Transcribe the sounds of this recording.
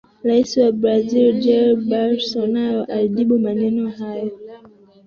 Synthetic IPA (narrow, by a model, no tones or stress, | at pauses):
ɾaisiwabɾazild͡ʒɛlbalsɔnajɔʔaliɗiɓumanɛnɔhajɔ